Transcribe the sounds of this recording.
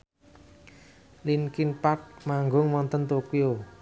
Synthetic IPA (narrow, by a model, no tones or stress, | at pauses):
linkinpat̚maŋɡʊŋmɔnt̪ənt̪okio